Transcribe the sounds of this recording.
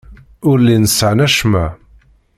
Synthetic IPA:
ʊɾlinəsʕnæʃmæ

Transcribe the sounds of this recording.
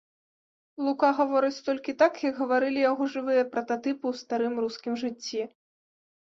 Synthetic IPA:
lˠukaɣavɔɾɨt͡sʲt̪ɔlʲkʲit̪akjɐɡɣɐvaɾɨlʲijaɣɔʐɨvɨjɐpɾɐt̪at̪ɨpɨwst̪aɾɨmɾuskʲimʐɨt͡sʲːi

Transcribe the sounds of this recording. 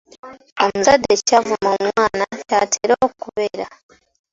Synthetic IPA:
o̞muzadːeccavumomwaːnacatʰe̞ːɾo̞ːkkuβeɾa

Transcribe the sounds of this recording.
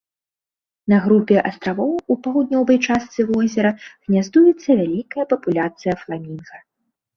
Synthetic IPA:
nɐɣɾupʲɛʔɐst̪ɾavɔwupawd̪nʲɔvɐjt͡ʂast̪sɨvɔzʲɛɾɐɣnʲazd̪ujɛt̪sːɐvʲalʲikɐjɐpɐpulʲat̪sɨjɐflˠamʲinɣɐ

